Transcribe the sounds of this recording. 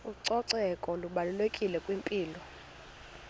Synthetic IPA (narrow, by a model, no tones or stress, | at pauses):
uǀɔǀɛkʼɔluɓalulekʼilɛkʼwimpʼiːlɔ